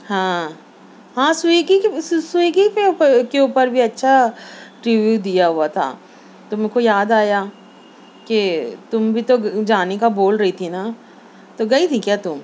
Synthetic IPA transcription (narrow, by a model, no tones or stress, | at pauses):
ɦãː | ɦãːsiɡiseːɡipeəkeuːpəɾbʱiɐtːʃʰaʈɾiːʋjud̪ijaɦuat̪ʰa̰ː | t̪omẽkojaːd̪aːja | ket̪ʊmbʱit̪od͡ʒaːnekaboːlɾɐɦit̪ʰina | t̪oɡɐit̪ʰĩkjaːt̪ʊm